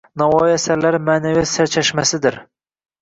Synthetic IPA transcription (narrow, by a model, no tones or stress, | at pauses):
nawɒjjasaɾlaɾmaːnavisaɾt͡ʃʰaʃmasɪd̪ɪɾ